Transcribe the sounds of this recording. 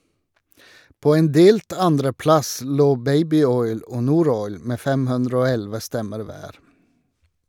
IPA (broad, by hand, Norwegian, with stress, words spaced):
ˈpoː ˈeːn ˈdeːlt ˈɑndɾəˌplɑs ˈloː ˈbæɪbɪˌɔʏl ˈoː ˈnuːˌɾɔʏl ˈmeː ˈfɛm ˈhʉndɹə ˈoː ˈɛlʋə ˈstɛməɾ ˈʋæːɾ